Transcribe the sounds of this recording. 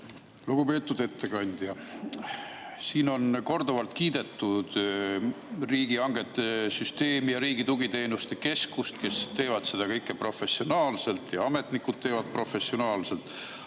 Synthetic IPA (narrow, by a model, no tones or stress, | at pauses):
luɡ̥upe̞ːt̪ːˑud̪̥e̞t̪ʰːe̞kɑnʲd̪̥jɑ | siːno̞nko̞rd̪uvɑlt̪kiːd̪̥e̞t̪ːud̪̥ | riːɡ̥iɑŋɡ̥e̞t̪ˑːesyst̪e̞ːmijɑɾiːɡit̪uɡ̥it̪e̞ːnust̪e̞ke̞skust̪ke̞st̪e̞ːvɑd̪̥se̞d̪̥ɑkɤjkːˑe̞pro̞fe̞sːio̞nɑːlse̞lt̪jɑɑme̞t̪nikːud̪̥̚t̪ːe̞ːvɑd̪̥̚pro̞fe̞sːio̞nɑːlse̞lt̪ˑ